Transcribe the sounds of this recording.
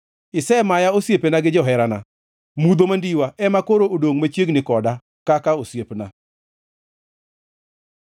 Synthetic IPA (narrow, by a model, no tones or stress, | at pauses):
ɪsɛmajaosjepenaɡɪd͡ʒɔɦɛɾana̰ | mud̪omandiwaʔɛmakoɾoodoŋmat͡ʃjeɡnɪkɔda | kakaosjepna